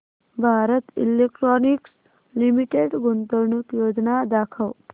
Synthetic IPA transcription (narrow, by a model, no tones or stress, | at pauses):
bʱaɾət̪ḭlekʈɾɔniks | limiʈeɖɡont̪əɾɳukjod͡znad̪akʰəw